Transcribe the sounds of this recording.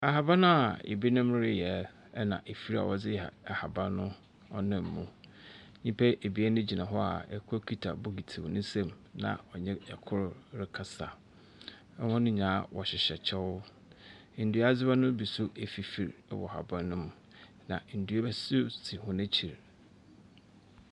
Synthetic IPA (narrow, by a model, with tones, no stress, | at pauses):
a˨ɦa˨ba˦nʊ̃˦a˨ḛ˨bi˦nʊ̃˦m˦ɾɪ˦jɛ˨˦ | nã̰˨ʔe˨fi˦ɾa̰˨wɔ˨d͡zɪ˦jɛ˨a˨ha˨ba˦nʊ̃˦ | ɔ˦nɪ̃˨mː˨ũ˨ | ɲĩ˦mpʰɛ˦ʔe˨bi˨˦ɛ˦nʊ̃˦d͡ʑi˨nã˨ɦɔ˦a̰˨ɛ˨kʰʊ˦kʰi˦tʰa̰˨bʊ˦ɡi˨tʰi˨wnʊ̃˦sɛ̃˦m | nã̰˨ɔ˨ɲɛ̃˦ɛ˨kʰʊ˦ɾɾɪ˦kʰa˦sa˨ | ɛ˦hɔ̃˦nʊ̃˦ɲã˨˦wɔ˨ɕɪ˨ɕɛ˨t͡ɕʰɛ˦wʊ˦˨ | n̩˨du˨˦a˦d͡zɪ˦ba˦nʊ̃˦bi˨sʊ˦e˨fi˨fi˨ɾ̰wɔ̰˨ha̰˨bã˦nʊ̃˦m˦ | nã̰˨n̩˨du˨˦e˦bɛ˦sɪ˦tʰi˨hʊ̃˦næ̃˦t͡ɕʰi˨ɾ